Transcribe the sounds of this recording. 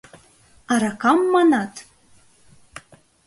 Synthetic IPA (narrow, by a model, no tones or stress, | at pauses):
ɑɾɑkɑmːɑnɑt̪